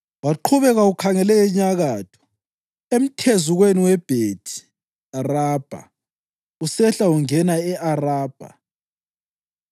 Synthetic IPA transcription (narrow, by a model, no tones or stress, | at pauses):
waǃʰuβɛɣaukʰaŋɛlɛɛɲaɣaːtʰɔ̥ | em̩tʰezuɣweniwɛb̥ʱeːtʰi̥ | araːb̥ʱa̰ | usɛɬauŋɛnaɛʔaraːb̥ʱa̰